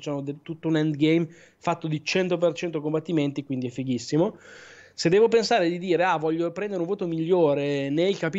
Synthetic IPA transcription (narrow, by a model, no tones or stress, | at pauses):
t͡ʃanod̪et̪ut̪ːounɛnd̪ɡejm | fat̪ːod̪it͡ʃɛnt̪opert͡ʃɛnt̪okombat̪ːiment̪ikwind̪iɛfːiɡisːimo | sed̪ːɛːvop̬ensaːɾed̪id̪iːɾeavɔʎːopɾɛnd̪eɾeuɱvoːt̪omiʎːoːɾenelkapi